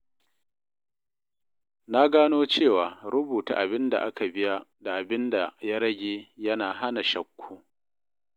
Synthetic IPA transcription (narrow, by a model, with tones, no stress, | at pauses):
na˦ɡaː˦noː˦t͡ʃeː˦˨waː˨ɾʊ˦buː˨ta̰ː˨ʔa˨bɪ˦nda̰˨ʔa˦ka˨bɪ˦ja˦da˨ʔa˨bɪ˦nda˨ja˦ɾɐ˦ɡʲeː˨jɐ˦naː˨ɦa˦na˨ʃɐ˦kʷʰːoː˦